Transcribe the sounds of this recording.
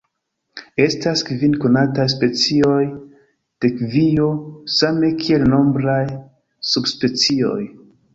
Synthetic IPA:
e̞staskvinkonatajs̬pe̞t͡sio̞j | d̥e̞kvio̞same̞kʰie̞lno̞mbɾaj | subspe̞t͡sio̞̰j

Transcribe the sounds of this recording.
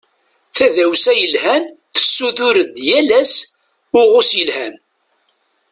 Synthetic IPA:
θæðæwsæjəlhænθə̥sːuθʊɾəd̪jælæs | ʊʁʊsjəlhæn

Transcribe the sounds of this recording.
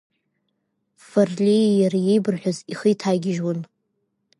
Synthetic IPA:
farlʲijaɾajejbɨrħʷᶣʊziχijtʰaɡʲɪʒwan

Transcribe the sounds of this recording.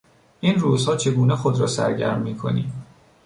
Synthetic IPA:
ʔiːnruːzhɒːt͡ʃʰe̞ɡuːnexod̪ɾɒːsæ̰ɾɟæ̰ɾmːiːkʰo̞̰nḭːm

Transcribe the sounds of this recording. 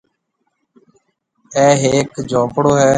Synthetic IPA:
ɛːɦeːkd͡ʒoːpɽoːɦɛː

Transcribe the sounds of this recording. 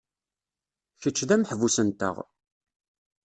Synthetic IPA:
çət͡ʃːðæmħvusənt̪ə̰ʁ

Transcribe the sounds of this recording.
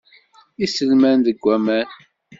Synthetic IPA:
isəlmænðəɡʷːæmæn

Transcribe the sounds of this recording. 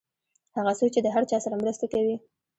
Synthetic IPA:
haɣasot͡ʃed̪əɦaɾt͡ʃɑsaɾamɾəst̪akawi

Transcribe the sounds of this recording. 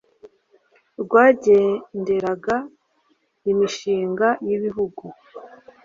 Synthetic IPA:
ɾɡwaːɟe̞nde̞ɾaɡa | imiʃiːŋɡajiβiɦuɡu

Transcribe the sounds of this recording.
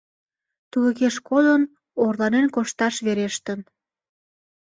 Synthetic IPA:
t̪uɣəkeʃkod̪ən | orlɑnenkoʃt̪ɑʃβeɾeʃt̪ən

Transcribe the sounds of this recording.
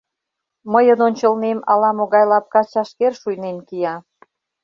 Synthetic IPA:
məjənonʲt͡ɕəlnemɑlɑmoɣɑjlɑp̚kɑt͡ɕɑʃkerʃujnenkijɑ

